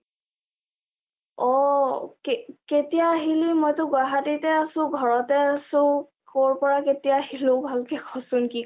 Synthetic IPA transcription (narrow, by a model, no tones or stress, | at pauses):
ɔkeketijaːɦilimɔjtʊɡʊaɦatitɛasʊ̃ɡʱɔɹɔtɛasʊ̃ | koɹpɔɹaketijahilʊ̃bʱalkɛkʰɔsʊnki